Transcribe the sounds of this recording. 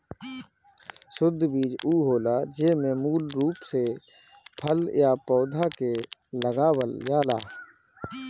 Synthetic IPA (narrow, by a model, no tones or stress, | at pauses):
sʊd̪ʱːbiːd͡ʒuːɦoːlad͡ʒeːmẽmuːlɾuːpse | pʰəljapɔːd̪ʱakeləɡaːwəljaːla̰ː